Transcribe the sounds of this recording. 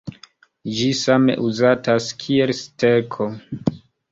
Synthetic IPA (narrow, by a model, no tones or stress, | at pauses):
d͡ʒisame̞̰ʔuzataskʰie̞lstekʰo